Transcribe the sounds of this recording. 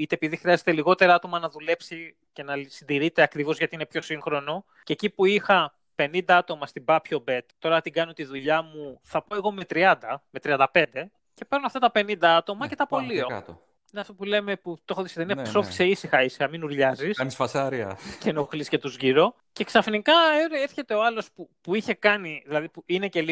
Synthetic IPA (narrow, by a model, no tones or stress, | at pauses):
it̪e̞ːpiðixɾiɐzet̪e̞liɣo̞t̪e̞ɾɐɐt̪omɐnɐðule̞psi | ce̞nɐsind̪iɾit̪e̞ɐkɾivo̞zʝɐt̪iinepço̞siŋxɾo̞no̞ | ce̞cipuixɐ | pe̞nind̪ɐɐt̪o̞mɐst̪ibɐpço̞be̞t̪t̪ːo̞ɾɐt̪iɡɐnot̪iðuʎɐmuθɐpo̞e̞ɣo̞me̞t̪ɾiɐnd̪ɐmet̪ɾiɐnd̪ɐpe̞nd̪e̞ | ce̞peɾnoɐft̪ɐt̪ɐpe̞nind̪ɐɐt̪o̞mɐce̞t̪ɐpo̞lioɐ̰t̪o | neɐft̪opule̞me̞put̪o̞xoðisit̪eniɐso̞fi̥se̞isixɐisixɐminuɾʎɐzisɐnisfɐsɐɾiɐ̰cenoxlisce̞t̪uzʝiɾo̞ | ce̞ksɐfnikɐeɾeɾçe̞t̪e̞o̞ɐlo̞spupuiçe̞kɐniðilɐðipuine̞ce̞li